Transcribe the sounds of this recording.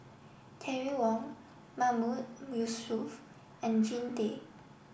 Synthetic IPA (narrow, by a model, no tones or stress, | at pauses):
tʰɛɹiwɔ̃n | mamumjusuf | ɛ̃nd͡ʒĩnde